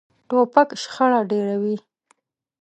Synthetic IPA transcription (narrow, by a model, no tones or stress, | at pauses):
ʈopakʃxaɽaɖeɾawi